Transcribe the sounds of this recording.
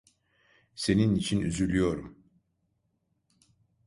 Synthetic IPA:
se̞ninit͡ʃʰinyzylʲyjo̞ɾum

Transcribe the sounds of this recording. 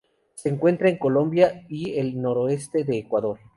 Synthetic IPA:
se̞ːŋkwe̞nt̪ɾaeŋko̞lõ̞mbjaielno̞ɾoe̞st̪e̞ðe̞ːkwaðo̞ɾ

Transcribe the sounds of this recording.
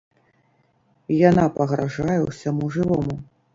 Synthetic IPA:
janapɐɣɾaʐajɛwsʲamuʐɨvɔmu

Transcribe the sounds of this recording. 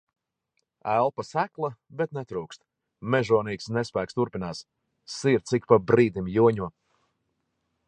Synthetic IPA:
ælˠpasæklˠabɛt̪̚nɛt̪ɾuːkst̪̚ | mɛʒuɔniːksnɛspæːkst̪uɾpinaːs | siɾt̪sikpabɾiːd̪imjuɔɲuɔ

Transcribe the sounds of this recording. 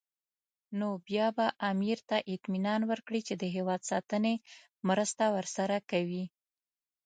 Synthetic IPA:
nobjɑbaʔamiɾt̪aʔɪt̪minɑnwəɾkɽit͡ʃed̪əɦewɑd̪sɑt̪əne | mɾəst̪awəɾsaɾakawi

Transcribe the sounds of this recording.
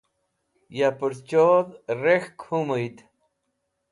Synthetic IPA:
japəɾt͡ɕoðrexkʰuməjt̪

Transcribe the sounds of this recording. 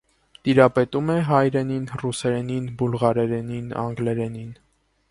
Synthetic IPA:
t̪iɾɑpɛt̪umɛɦɑjɾɛninrusɛɾɛninbulʁɑɾɛɾɛninɑ̰ŋɡlɛɾɛnin

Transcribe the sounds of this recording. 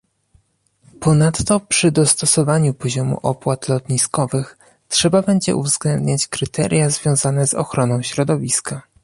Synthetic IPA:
pɔnat̪ːɔpʂɘd̪ɔst̪ɔsɔvaɲupɔʑɔmṵʔɔpwat̪lɔt̪ɲiskɔvɘx | tʂɛbabɛɲd͡ʑɛ̰ʔṵvzɡlɛnd̪ɲat͡ɕkɾɘt̪ʰɛ̰ɾʲjazvʲjɔ̃w̃zanɛzɔ̰xɾɔnɔ̃w̃ɕɾɔd̪ɔvʲiska

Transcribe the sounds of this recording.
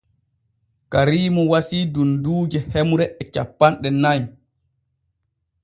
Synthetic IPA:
kaɾiːmɔwasiːdunduːd͡ʒɛhemuɾɛɛt͡ʃapːanɗɛnaj

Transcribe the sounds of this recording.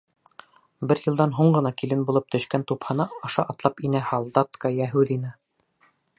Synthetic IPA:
bɘɾjɤ̆lˠd̪ɑnɦuɴɢɤ̆nɑkilɘnbulˠɤp̚t̪ʰɵ̆ʃkænt̪uphɑnɤɑʃɑʔɑt̪lˠɑpinæhɑlˠd̪ɑt̪kɑjæɦʉðinɘ

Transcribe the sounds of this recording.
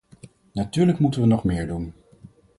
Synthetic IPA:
natyːɹləkmutənʋənɔχmɪːɹdun

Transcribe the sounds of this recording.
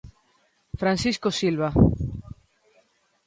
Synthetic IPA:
fɾansiskosilβa

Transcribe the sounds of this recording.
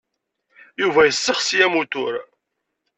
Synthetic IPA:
juvæjəsːəχsjæmut̪ʊɾ

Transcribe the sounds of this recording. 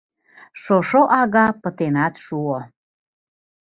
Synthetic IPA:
ʃoʃoʔɑɣɑpə̆t̪enɑt̪ʃuo

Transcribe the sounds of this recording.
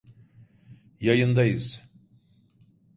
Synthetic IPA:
jajɯnd̪ajɯz̥

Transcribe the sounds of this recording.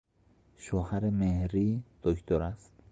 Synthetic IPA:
ʃohaɾemehɾid̪̥okʰt̪oɾast̪

